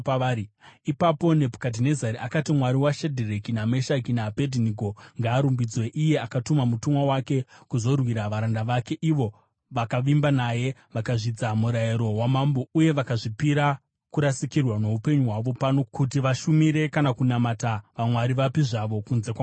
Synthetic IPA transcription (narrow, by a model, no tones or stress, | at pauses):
paiipapo̞ne̞pu̥kadinezaɾiakatimwaɾiwaʃedʱirekiname̞ʃakinaːpediniɡoŋɡaːɾumbid͡zwe̞ʔije̞akatumamutumwawake̞kuzo̞rwiɾaʋaɾandaʋake̞ʔiʋo̞ | ʋakaʋimbanaje̞ʋakaʐid͡zamuɾaiɾo̞wamambouje̞ʋakaʐipiɾa | kuɾasikirwano̞upe̞ɲuɦwaʋo̞pano̞kut̬iʋaʃumiɾe̞kanakunamataʋamwaɾiʋapiʐaʋo̞kunze̞kwa